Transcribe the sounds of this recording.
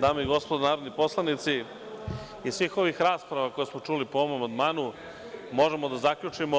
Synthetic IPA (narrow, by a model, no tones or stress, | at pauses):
d̪aːmoiɡo̞spod̪onaːɾod̪nipo̞slˠanit̪si | isʋiːxo̞ʋixɾaːspɾaʋakojesmo̞t͡ʂulipooomamand̪maːnu | mo̞ʒemod̪azakʎʲut͡ʂimo